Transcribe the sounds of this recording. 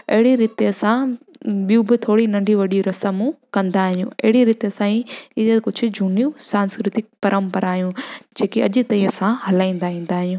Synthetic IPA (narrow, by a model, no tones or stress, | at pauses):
ɐɦɪɽiɾɪt̪eɐsã | ɓijũbɪt̪ʰoːɽinɐ̃ɳɖʱiʋɐɗiuɾɐsəmukɐ̃nd̪aːɦjũɐ̰ɦɪɽiɾɪt̪eɐsãiɪekʊd͡ʑʱʊ̆d͡ʑʱʊnijũsãːnskɾɪt̪ɪk̚pɐɾʔəmpɐɾaːɦijũd͡ʑeːkiɐʄʊ̆t̪ɐĩɐsãhɐlaːĩːn̆d̪aĩːn̆d̪aːɦijũː